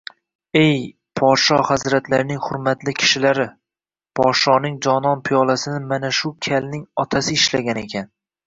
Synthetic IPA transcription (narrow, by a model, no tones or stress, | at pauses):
e̞j | pʰɒt̪ʃɒhazɾat̪laɾnɪŋhʊɾmat̪lɪkʲʰɪ̥ʃɪlaɾɪ | pʰɒt̪ʃɒnɪŋd͡ʒɒnɒnpʰɪjɒlˠasɪnɪmanaʃʊkʲʰalnɪŋɒt̪ʰasɪɪʃlaɡʲane̞kʲʰan